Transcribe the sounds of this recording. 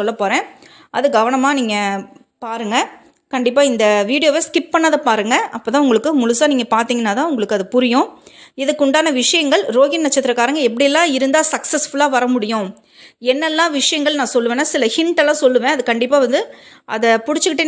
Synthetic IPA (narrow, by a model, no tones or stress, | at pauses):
ɔlːɐpːoːɾẽː | ɐðɯɡɐʋɐɳɐmaːniːŋɡɐ | paːɾɯŋɡɐ | kɐɳɖɪpːaːɪnd̪ɐʋiːɽɪjoːʋeːskɪp̚pɐɳːaːðɐpaːɾɯŋɡɐɐpːoːt̪ãːʊŋɡɐɭɯkːɯmʊlʊsaːniːŋɡɐpaːɾt̪iːŋɡɐnːaːt̪ãːʊŋɡɐɭɯkːɯɐðɯpʊɾɪjʊ̃ɪðɯkːʊɳɖaːnɐʋɪʂɐjɐŋɡɐɭɾoːɣɪnnɐt͡ʃːɐt̪ːɯɾɐkːaːɾɐŋɡɐɛpːɐɽɪjɛlːãːɪɾɯnd̪aːsɐksɐsfʊlaːʋɐɾɐmʊɽɪjʊ̃ | ɛnːɛlːãːʋɪʂɐjɐŋɡɐɭnãːsɔlːɯʋeːnːasɪlɐhɪɳʈɐlãːsɔlːɯʋẽːɐðɯkɐɳɖɪpːaːʋɐnd̪ɯʔɐ̰ðɐpʊɽɪt͡ʃːɯkɪʈːeː